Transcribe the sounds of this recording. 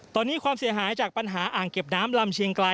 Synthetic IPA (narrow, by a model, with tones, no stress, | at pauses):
t̪ɔː˧nːiː˦˥kʰwaː˧msi˩˦ɐɦaː˩˦jt͡ɕaː˨˩k̚pa˧nɦaː˩˦ʔaː˨˩ŋke˨˩p̚naː˦˥mla˧mt͡ɕʰi˧əŋkla˧